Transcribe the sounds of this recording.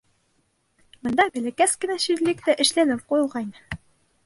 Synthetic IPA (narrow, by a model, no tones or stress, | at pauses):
bɤ̆nd̪ɑbɘ̆lækæskɘ̆næɕiɾlɘkt̪æʔɘ̆ʃlænɘp̚qujɤ̆lˠʁɑjn